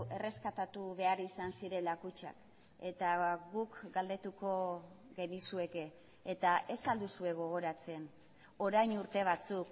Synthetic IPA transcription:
e̞re̞skat̪at̪uβe̞arisansiɾe̞lakut͡ʃa̰k | e̞t̪aɣukɡald̪e̞t̪uko̞ | ɣe̞nisue̞ke̞ː | t̪aʔe̞sald̪usue̞ɣ̞o̞ɣ̞o̞ɾat͡se̞n | o̞ɾajnuɾt̪e̞β̞at͡suk

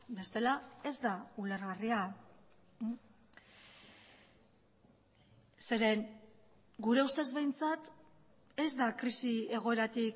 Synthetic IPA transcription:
be̞st̪e̞lae̞zd̪auleɾɣaria | se̞ɾe̞ŋ | ɡuɾe̞ust̪e̞zβe̞jnt͡sat̪ | e̞zd̪akɾisie̞ɣ̞o̞e̞ɾat̪ik

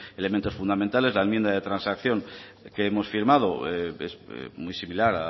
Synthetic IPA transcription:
e̞lemẽnt̪o̞sfund̪ament̪ale̞zlaemje̞nd̪aðe̞t̪ɾansakθjo̞ŋkeemo̞sfiɾmað̞o̞eḛz̰mujsimilaɾa

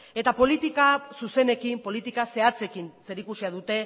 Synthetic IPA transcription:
e̞t̪apo̞lit̪ikasuse̞ne̞kimpo̞lit̪ikase̞at͡se̞kinse̞ɾikusiaðut̪e̞

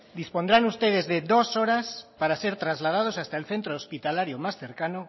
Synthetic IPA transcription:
d̪ispond̪ɾanust̪eðezðeðosoɾaspaɾaseɾt̪ɾazlað̞að̞osast̪aelθent̪ɾoːspit̪alaɾjomasθeɾkano

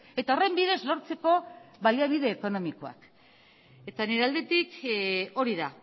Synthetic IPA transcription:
e̞t̪aore̞mbiðe̞zlo̞ɾt͡se̞ko̞βalaβ̞iðe̞ːko̞no̞miko̞a̰k | e̞t̪aneɾeald̪e̞t̪iko̞ɾiða

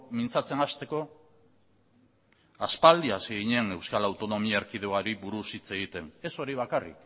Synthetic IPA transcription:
mint͡sat͡se̞nast̪e̞ko̞ | aspald̪iaseɣiɲe̞ne̞wskalawt̪o̞no̞miaeɾkið̞eoaɾiβuɾusit͡se̞ɣit̪e̞ne̞so̞ɾiβ̞akarḭk

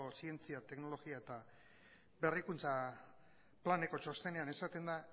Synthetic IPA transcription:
osie̞nt͡siat̪e̞kno̞lo̞ɣiae̞t̪a | be̞rikunt͡sa | plane̞ko̞t͡ʃo̞st̪e̞ne̞ane̞sat̪e̞nd̪a

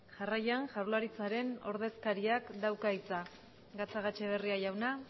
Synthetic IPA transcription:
ʝarajaŋʝaɾlaɾit͡saɾe̞no̞̰ɾð̞e̞skaɾiakd̪awkait͡sa | ɡat͡saɣat͡ʃe̞β̞e̞riajawna

